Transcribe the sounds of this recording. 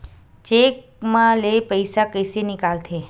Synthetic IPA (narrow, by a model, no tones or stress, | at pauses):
t͡ʃek̚ | mãlepəjsakəjsenɪkalt̪ʰe